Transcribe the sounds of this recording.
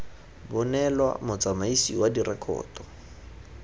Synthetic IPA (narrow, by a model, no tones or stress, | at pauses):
bʊnɛlwa̰mʊt͡samaisiwadirɛkʰɔ̰ːtɔ